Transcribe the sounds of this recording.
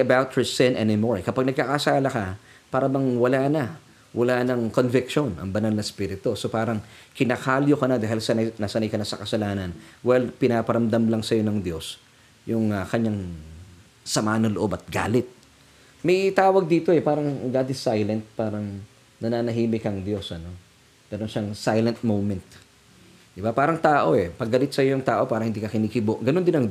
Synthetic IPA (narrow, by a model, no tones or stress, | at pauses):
ɐbawt̪̚hɛ˞sɪ̃nʔɛnɪmoɹkɐpaɡ̚nɐɡ̚kakɐsaːlɐkɐ | paːɾɐbɐŋwɐlanɐ | wʔɐlaːnɐŋko̞nvɪkʃonʔɐ̰ŋbɐnalnɐspiːɾɪt̪oso̞paːɾɐŋkɪnakaːljokɐnad̪aːɦɪlsɐnɐnɐsɐnɐjkɐnasɐkɐsɐlaːnɐnwɛlpɪnaːpɐɾɐmd̪ɐmlɐŋsɐjo̞nɐŋd̪jo̞s | jʊŋɐkɐɲaŋ | sɐmaːɐnɐloʔo̞bɐt̪̚ɡa̰ːlɪt̪̚ | mɐjt̪aːwɐɡ̚d̪iːt̪o̞ɛpaːɾɐŋɡaːd̪ɪsajlɛnt̪̚paːɾɐŋ | nɐnaːnɐɦiːmɪkɐŋd̪jo̞sʔɐno̞ | ɡɐɾonʃaŋsajlɛnt̪̚mowmɛnt̪̚ | d̪ɪbapaːɾɐŋt̪aːʔo̞ʔɛpɐɡːɐlɪt̪̚sɐjo̞jʊŋt̪aːʔo̞paːɾɐŋhɪnd̪iːkɐkɪniːkɪboʔɡɐno̞nd̪ɪnɐŋ